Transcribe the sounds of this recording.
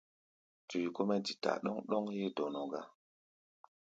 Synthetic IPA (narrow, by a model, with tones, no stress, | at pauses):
tu˨ji˨ko˦me˦di˨ta̰˨ɗɔ˦ŋɗo˦ŋje˦do˨no˨ɡa̰˦